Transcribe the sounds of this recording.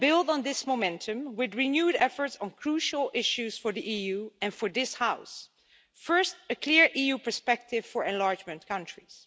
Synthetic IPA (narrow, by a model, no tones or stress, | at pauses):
bɪlˠdn̩ðɪsmomɛ̃ntʰɨ̃mwɪðɹinjuːɾɛfə˞tsn̩kʰɹuʃəl̩ˠɪʃʉz̥fə˞ðiʔijuɨ̃nfə˞ðɪshaʊs | fɜ˞stɨkʰl̥ɪɹʔijupə˞spɛk̚tɪv̥fəɹɛ̃nlɑɹd͡ʒmɨ̃nkʰʌ̃nt͡ʃɹ̥iz̥